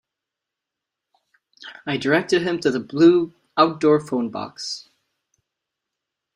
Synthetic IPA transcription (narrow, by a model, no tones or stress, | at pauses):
aɪdə˞ɛk̚tɨd̚ɨ̃mtʰɨðəblu | aʊt̚d̥ɔɹfõʊ̃nbɑ̰ks